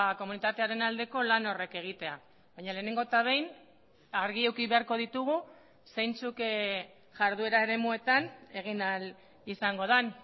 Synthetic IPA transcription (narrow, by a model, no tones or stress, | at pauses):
ko̞munit̪at̪e̞aɾe̞nald̪e̞ko̞lano̞re̞ke̞ɣ̞it̪e̞a | βajɲale̞ːne̞ŋɡo̞t̪aβe̞jn | aɾɣiewkiβe̞aɾko̞ð̞it̪uɣ̞u | sejnt͡suk | ʝaɾðue̞ɾae̞ɾe̞mue̞t̪ane̞ɣ̞inal | isaŋɡo̞ðan